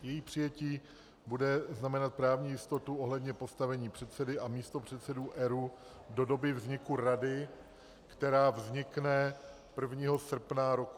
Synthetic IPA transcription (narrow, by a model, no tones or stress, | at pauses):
jɛjiːpr̝̥ɪjɛciː | budɛznamɛnat̪̚pɾaːvɲiːjɪst̪o̞t̪uʔo̞ɦlɛdɲɛpo̞st̪avɛɲiːpr̥ɛt̪sɛdɪʔamiːst̪o̞pr̝̥ɛt̪sɛduːʔɛɾu | do̞do̞bɪvzɲɪkuɾadɪ | kt̪ɛɾaːvzɲɪknɛ | pr̩vɲiːɦo̞sr̩pnaɾoku